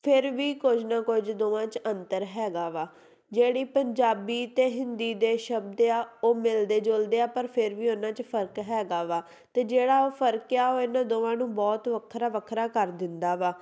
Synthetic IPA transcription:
pʰɪɾʋiːkod͡ʒnãːkʊd͡ʒd̪oːʋãːt͡ʃənt̪əɾɦɛːɡaːʋaː | d͡ʒeːɽiːpəɲd͡ʒaːbiːt̪eːɦɪnd̪iːd̪eːʃəb̚d̪eaːoːmɪld̪eːd͡ʒoːld̪eːaːpəɾpʰɪɾʋiːoːnãːt͡ʃpʰəɾkɦɛːɡaːʋaː | t̪eːd͡ʒeːɽaːoːpʰəɾkjaːoːɪnãːd̪oːʋãːnũːbɔːt̪ʋəkʰɾaːʋəkʰɾaːkəɾd̪ɪnd̪aːʋaː

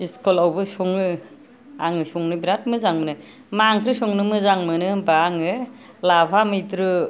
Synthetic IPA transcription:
iskɔlawbɯsɔŋnɯ | a̰ŋɯsɔŋnɯbiɾat̚mɯzaŋmɯnɯ | maŋkʰɾɯsɔŋnɯmɯzaŋmɯnɯbaːŋɯ | lapʰamɯjtɾɯ

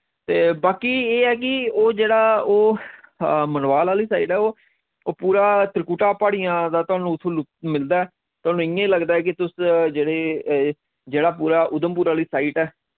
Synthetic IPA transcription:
t̪eːbaːkiːeːɛːk̬ɪoːd͡ʒeːɽaːoː | mənʋaːlaːliːsaːiːʈɛːoː | puːɾaːt̪əɾkuːʈaːpaːɽijãːd̪aːt̪ʊaːnũːt̪ʰːõːlʊmɪld̪aːɛː | t̪ʊaːnũːɪjẽːləɡd̪aːɛːk̬ɪt̪ʊsd͡ʒeːɽeː | d͡ʒeːɽaːpuːɾaːʔʊd̪əmpuːɾaːliːsaːiːʈɛː

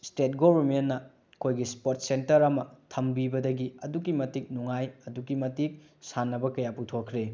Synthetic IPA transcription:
stet̚ɡobɐɾmenːɐ | kʰojɡispoɾt̚sentɐɾɐmɐtʰɐmbibɐdɐɡiɐdukimɐtik̚nuŋajɐdukimɐtik̚sanːɐbɐkɐjaputʰokʰɾe

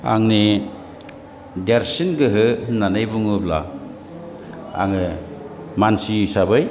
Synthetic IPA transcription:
a̰ŋni | deɾsinɡɯɦɯnanɯjbuŋɯbla̰ | a̰ŋɯ | mansisabɯj

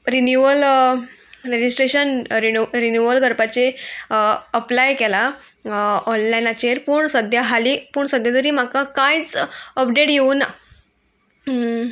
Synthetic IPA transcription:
ɾinjuəl | ɾed͡ʑisʈɾeɕənɾiɾinjuəlɡʱəɾpat͡ɕe | əplajkela | ɔnlajnat͡ɕeɾpuːɳsəd̪ʱjaɦaliːpuːɳsəd̪ʱjat̪əɾiːm̤akakãjt͡səp̚ɖeʈjeuna

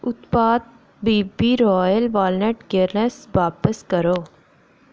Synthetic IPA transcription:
ʊt̪paːd̪̚ | biːbiːɾɔːjəlʋaːlneʈɡeɾnəsʋaːpəskəɾoː

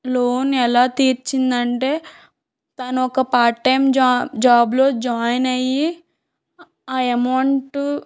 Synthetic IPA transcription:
loːnɛlaːt̪iːɾt͡ʃind̪ɐɳʈe̞ː | t̪ɐnuɔkɐpaːʈːɐjmd͡ʒaːblo̞ːd͡ʒaːjnɐjːi | aːemɐɳʈ

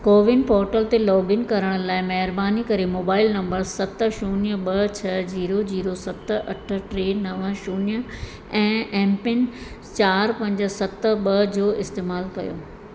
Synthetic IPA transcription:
koːʋɪnpɔːɾʈəlt̪elɔːbɪnkɐɾəɽ̃̆laːɪmɐɦɪɾbaːnikɐɾemoːbaːɪlnɐ̃mbəɾsɐt̪̆ʃuːnjəɓɐt͡ɕʰɐd͡ʑiːɾod͡ʑiːɾosɐt̪ʔɐʈʰə̆ʈɾeːnɐʋʃuːnjə | ɛ̃ːɛ̃ːmpɪn | t͡ɕaːɾpɐ̃ɲd͡ʑə̆sɐt̪ə̆ɓɐd͡ʑoːɪst̪eːmaːlkɐ̰jo̰ː

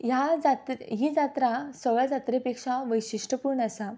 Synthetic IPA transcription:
jad͡zat̪ɦid͡zat̪ɾasəɡɭad͡zat̪ɾepekʂaʋəjɕiʂʈəpuɾɳəsa

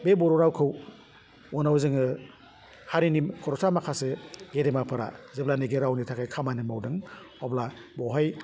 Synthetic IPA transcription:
bebɔɾɔɾawkʰɯw | ɔnawzɯŋɯ | haɾinimkʰɔɾɔsʰamakʰaseɡeɾemapʰɯɾa̰zeblaniɡeɾawnitʰakʰajkʰamanimawdɯŋ | ɔblabɔɦaj

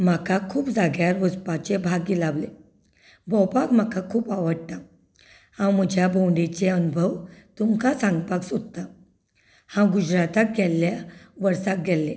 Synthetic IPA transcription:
m̤akakʰuːpd͡zaɡjaɾʋəspat͡ɕebʱaɡːilaʋle | bɔwpakm̤akakʰuːpaʋəɽt̪a | hãwm̤əd͡ʑʱjabowɳɖit͡ɕeənubʱəwt̪umkasãŋɡpaksod̪t̪a | hãɡud͡ʑɾat̪ak̚ɡʱɛlːjaʋəɾsak̚ɡʱɛlːe

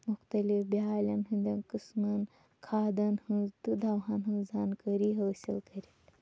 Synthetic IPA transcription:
muxt̪ɐlifbiaːlʲɐnɦɨnd̪ʲɐnkɨsmɐn | kʰaːd̪ɐnhɨnzt̪ɨd̪ʱɐwɦanɦɨ̃nzankəɾiːɦəːsḭlkɐɾil

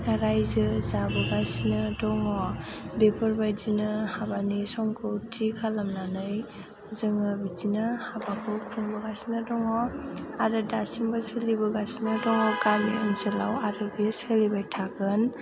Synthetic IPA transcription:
aɾajzɯzabɯɡasinɯdɔŋɔbepʰɔɾbajd͡ʒinɯhabanisɔŋkʰɔtʰikʰalamnanɯj | zɯŋɯbid͡ʒinɯhabakʰɔtʰuŋbɔɡasinɯdɔŋɔaɾɯdasimbasɯlibuɡasinɐdɔŋɔwɡamiɔnzela̰waɾɔbiaselibajtʰakɯn

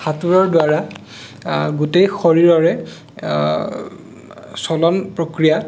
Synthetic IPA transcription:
xatuɹɔɹdʊwaɹa | ɡutejxoɹiɹɔɹɛ | sɔlɔnpɹokɹija

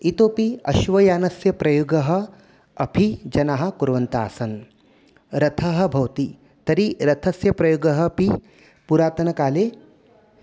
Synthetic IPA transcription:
it̪oːpiɐ̰ʃʋɐjaːnɐsjɐpɾɐjoːɡɐɦɐ̆ | ɐpʰid͡ʒɐnaɦɐ̆kuɾʋɐnt̪a̰ːsɐn | ɾɐt̪ʰɐɦɐ̆bʱɐwt̪i | t̪ɐɾiɾɐt̪ʰɐsjɐpɾɐjoːɡɐɦɐpi | puɾaːt̪ɐnɐkaːleː

